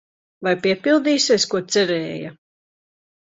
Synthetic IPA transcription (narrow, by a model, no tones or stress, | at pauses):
vajpiɛpilˠd̪iːsiɛskuɔt̪sɛɾɛːja̰